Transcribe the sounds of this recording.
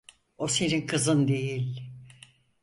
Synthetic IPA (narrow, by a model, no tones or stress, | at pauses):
o̞se̞ninkʰɯzɯnd̪e̞jilʲ